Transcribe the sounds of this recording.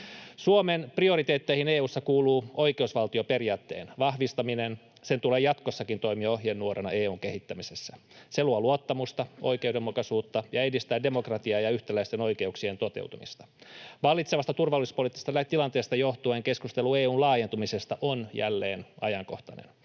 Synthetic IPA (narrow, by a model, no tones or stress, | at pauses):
suomenprio̞ɾit̪eːt̪ːeihineːuːsːɑkuːluːo̞jkeusʋɑlt̪iope̞riɑːt̪ːe̞̰ːnʋɑhʋist̪ɑminen | se̞nt̪ule̞ːjɑt̪kosːɑkint̪o̞imioɦjenːuoɾenɑeːuːŋke̞hit̪ːæmisesːæ | seluɑluot̪ːɑmust̪ɑo̞̰jke̞ude̞mːukɑsuːt̪ːɑjɑedist̪æːde̞mo̞krɑt̪iɑːjɑyht̪ælæist̪eno̞jke̞uksie̞nt̪o̞t̪ḛwt̪umist̪ɑ̥ʋɑlːit̪seʋɑst̪ɑt̪urʋɑlːispo̞lit̪ːist̪ɑlæt̪ilɑnt̪eːst̪ɑjoht̪ueːŋke̞skust̪e̞lueːuːnlɑːje̞nt̪umise̞st̪ɑʔonjæ̰lːḛːnɑ̰jɑŋkoht̪ɑnḛn